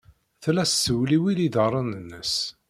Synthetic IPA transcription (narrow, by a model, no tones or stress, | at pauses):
θlæssːəwliwiliðərˤɑnənːəs